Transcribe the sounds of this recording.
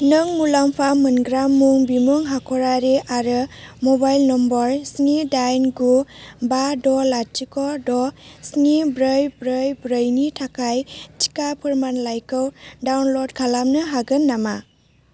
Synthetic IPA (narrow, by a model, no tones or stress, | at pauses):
nɯŋmulampʰamɯnɡɾamːuŋbimuŋɦakʰɔɾaɾeʔaɾɯmɔbajlnɔmbɔɾsnidajnɡubadɔlatikɔdɔsnibɾɯjbɾɯjbɾəjnitʰakʰajti̥kapʰɯɾmanlajkɯwdawnlɔdkʰalamnɯɦaɡɯnːama